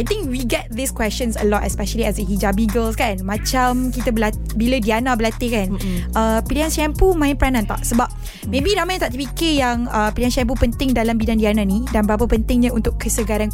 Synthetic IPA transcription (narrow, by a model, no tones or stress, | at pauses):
ajt̪ɪ̃ŋk̚wiɡɛt̪̚d̪iskwɛst͡ʃə̃nsə̰lɔtɛspɛʃəliɛsəɦid͡ʒabiɡəlskanmãt͡ʃamkit̪abəla | biladianãbəlat̪ɪkanʔəpilianʃɛmpumãɪ̃npəɾanãnt̪a̰ʔsəbap̚ | mẽbiɾamaj̃t̪aʔt̪əpikɪjaŋəpiliɦanʃɛmp̬upənt̪ɪŋdalambidandiananĩdanbəɾapəpənt̪ɪŋɲãunt̪ʊkkəsəɡaɾan